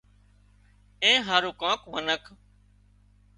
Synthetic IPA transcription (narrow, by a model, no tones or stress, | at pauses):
ẽːɦaːɾuːkãːkmənəkʰ